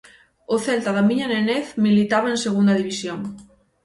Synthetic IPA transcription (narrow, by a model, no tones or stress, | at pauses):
oθɛlt̪aðamiɲaneneθmilit̪aβaenseɣ̞und̪aðiβisjoŋ